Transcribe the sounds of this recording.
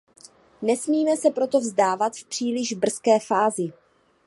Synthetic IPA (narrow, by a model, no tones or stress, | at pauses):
nɛsmiːmɛsɛpɾo̞t̪o̞vzdaːvat̪fpr̝̥iːlɪʒbr̩skɛːfaːzɪ